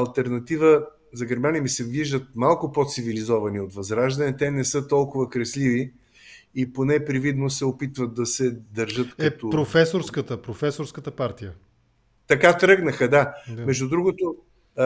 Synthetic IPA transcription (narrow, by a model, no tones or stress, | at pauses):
ɐlˠt̪ɛɾnɐt̪ivə | zɐɡɛɾmanimisɛviʒd̪ət̪̚malˠkʊpot̪sivilizɔvɐniot̪vɐzɾaʒd̪ɐnɛt̪ɛnɛsɤt̪ɔlˠkʊvəkɾɛslivi | iponɛpɾivid̪nosɛopit̪vət̪̚ːɐsɛd̪ɐɾʒɤt̪kɐɛt̪opɾofɛsoɾskət̪əpɾofɛsoɾskət̪əpaɾt̪ijə | t̪ɐkat̪ɾɤɡnəxəd̪amɛʒd̪ud̪ɾuɡʊt̪o